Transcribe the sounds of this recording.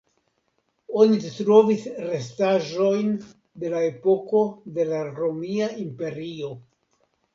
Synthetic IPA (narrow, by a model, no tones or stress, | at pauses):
o̞nitɾo̞visɾe̞staʒo̞jn | de̞lae̞po̞ko̞de̞laɾo̞miaimpe̞ɾio̞